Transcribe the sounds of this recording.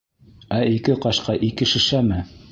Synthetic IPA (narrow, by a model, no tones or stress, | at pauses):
æikɘqɑʃqɑʔikɘ̆ʃɘ̆ʃæmɘ